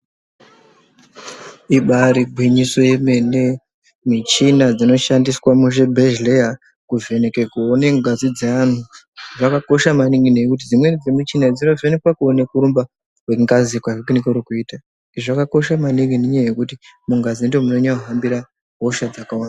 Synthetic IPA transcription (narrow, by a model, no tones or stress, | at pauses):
iɓaɾiɡʱwiɲiso̞jemene | mit͡ʃinad͡zino̞ʃandiswamuʐebʱeʒleja | kuve̞nekekuone̞ŋɡazid͡zean̤u | ʐakako̞ʃamaniŋɡinekut̬id͡zimwe̞d͡zemit͡ʃinad͡zino̞venekwakuone̞kuɾumba | kweŋɡazikwaʐekinekeuɾikuiːta | iʐakako̞ʃamaniŋɡineɲajekutimuŋɡazindomuno̞ɲauɦambiɾa | ɦoʃad͡zakawaːna